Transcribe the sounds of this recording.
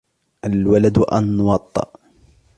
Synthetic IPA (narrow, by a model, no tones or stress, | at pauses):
ʔalwalad̪ʔa̰nːʊwɑt̪ˤːɨ̰ʔ